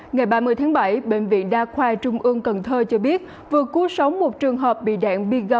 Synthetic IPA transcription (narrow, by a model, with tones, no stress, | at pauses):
ŋa˨˩jɓaː˧mɨ˧˩ət̪ʰːŋɓa˧˩jɓḛ˧˨ŋ̟vḭ˧˨ənɗaː˧kʰwaː˧t͡ɕʊ˧ŋ͡mʔɨ˧əŋkə˨˩nt̪ʰəː˧t͡ɕɔ˧ɓi˦˥ət̚ | vɨ˨˩əku˨˦əsə˨˦wŋ͡mmo˨˩t̚t͡ɕɨ˨˩əŋɦəː˨˩p̚ɓḭ˧˨ɗa̰ː˧˨ŋɓi˧ɣə˧˩